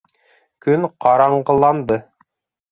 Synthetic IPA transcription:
kɵnqɑɾɑɴɢɤ̆lˠɑnd̪ɤ

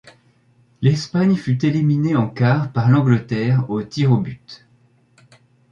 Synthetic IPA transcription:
lɛspaɲfyt̪elimineɑ̃kaʁpaʁlɑ̃ɡlət̪ɛːʁot̪iʁobyt̪

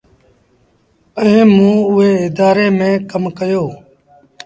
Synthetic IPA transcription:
əɦẽːmũːʊɦeːɪd̪aːɾeːmẽːkəmkəjoː

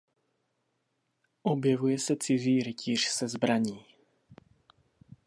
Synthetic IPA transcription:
ʔobjɛvujɛsɛt͡sɪziːɾɪcʰiːr̝̥sɛzbɾaɲiː

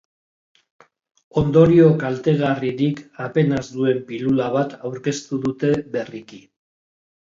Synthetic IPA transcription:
o̞nd̪o̞ɾio̞kalt̪e̞ɣariɾikape̞nazd̪ue̞mpilulaβat̪awɾke̞st̪uðut̪e̞βe̞riki

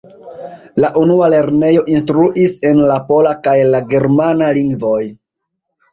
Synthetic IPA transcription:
laʔunuale̞ɾne̞jo̞ʔins̬tɾuʔise̞nlapo̞lakajlaɡe̞ɾmanaliŋɡvo̞j

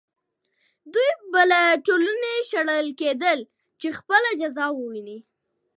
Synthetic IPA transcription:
d̪ujbəlaʈoluneʃaɽəlked̪əl | t͡ʃexpəlad͡ʒazɑwəwini

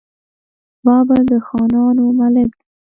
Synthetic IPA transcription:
bɑbad̪əxɑnɑnomalɪkd̪i

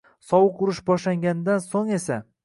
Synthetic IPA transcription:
sɒwʊqʊɾɪʃbɒʃlaŋɡʲanɪd̪ansoŋe̞sa

